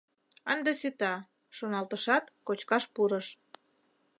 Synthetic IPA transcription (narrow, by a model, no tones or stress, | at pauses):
ɑnd̪esit̪ɑ | ʃonɑlt̪əʃɑt̪kot͡ɕkɑʃpuɾəʃ